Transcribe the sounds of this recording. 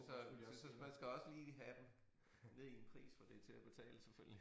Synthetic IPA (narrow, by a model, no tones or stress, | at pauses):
sɒ̽sɒmænsɡ̥æɒ̽səliːɦæd̥em | ne̝ðˠienpʰʁḭːsfɒ̽d̥e̝t͡sʰe̝læb̥e̝t͡sʰɛ̰ːləseføl̰jli